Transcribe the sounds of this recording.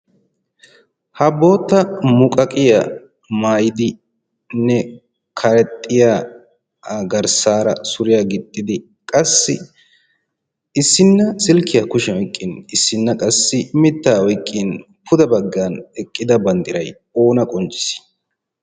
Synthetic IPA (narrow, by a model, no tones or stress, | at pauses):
hɐbo̞ːt̪ːɐmʊkʼɐkʼɪja | maːjɪd̪ɪ | nɛ | kʰɐɾɛt̪ʼːɪjaː | ɡɐɾsaːɾɐ̰sʊɾɪjaɡɪt̪ʼːɪd̪ɪ | kʼɐsːɪ̰ | ɪsːɪnːɐsɪlkɪjakʊʃɛɔjkʼːɪnɪsːɪnːɐkʼɐsːɪmɪt̪ːaːɔjkʼːɪn | pʰʊd̪ɐbɐɡːanɛkʼːɪd̪ɐbɐnd̪ɪɾɐj | o̞ːnɐkʼɔnt͡ʃʼːɪ̥s